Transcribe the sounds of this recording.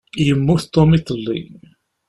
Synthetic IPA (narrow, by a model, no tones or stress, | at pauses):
jəmːuθt̪ːomit̪ˤːəlːḭ